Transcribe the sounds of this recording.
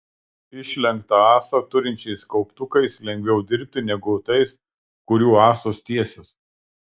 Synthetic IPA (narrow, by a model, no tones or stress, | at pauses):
ɪʃʲlʲɛŋk̚t̪ɐɑːsɐt̪ʊɾʲɪnʲt͡ʃʲɛɪskɐʊpt̪ʊkɐɪslʲɛŋʲɡʲʋʲɛʊd̪ʲɪɾʲp̚ʲt̪ʲɪnʲɛɡʊt̪ɐɪs | kʊɾʲuːɑːsoːst̪ʲiɛsʲos